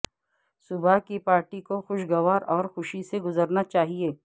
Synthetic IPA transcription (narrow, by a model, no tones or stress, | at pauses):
sʊbʱakipaːɾʈikoxʊʃɡɐʋaːɾɔːɾxʊʃiseɡʊzəɾnat͡ʃaːɦieː